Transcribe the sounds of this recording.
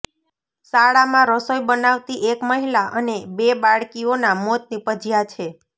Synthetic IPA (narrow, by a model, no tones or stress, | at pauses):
saɭamãɾəsojbənaʋt̪iʔekməɦilaʔənebebaɭkionamot̪̚nipəd͡ʒijat͡ʃʰe